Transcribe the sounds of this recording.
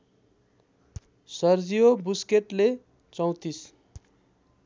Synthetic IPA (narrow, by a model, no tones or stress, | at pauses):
sʌrd͡zijobuskeʈle | t͡sʌw̃t̪is